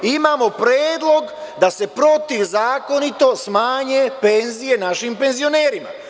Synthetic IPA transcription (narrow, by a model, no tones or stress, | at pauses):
imaːmo̞pɾeːd̪lˠo̞ɡd̪ase̞pɾo̞t̪iʋzaːko̞nit̪o̞smaːɲepe̞nzije̞naʃimpe̞nzio̞ne̞ːɾima̰